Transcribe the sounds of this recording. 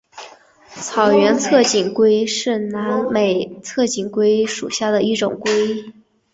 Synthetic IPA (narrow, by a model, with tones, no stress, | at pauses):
t͡sʰɑ˨˩ʊɥɛ˧˥nt͡sʰɤ˥˩t͡ɕi˨˩ŋkwe˥ɪʂɻ̩˥˩na˧˥nme˨˩ɪt͡sʰɤ˥˩t͡ɕi˨˩ŋkwe˥ɪʂṵ˨˩ɕja˥˩d̪ə˩i˥˩ʈ͡ʂʊ̰˨˩ŋkwe˥ɪ